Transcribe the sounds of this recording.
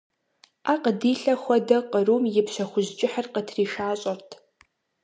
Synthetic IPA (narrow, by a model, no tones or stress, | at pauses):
aqədiːɬɐxʷɐdɐqʼərumjɪpɕɐxʷʊʑt͡ʃʼɪħərqətʰriːʃaːɕʼɐrtʰ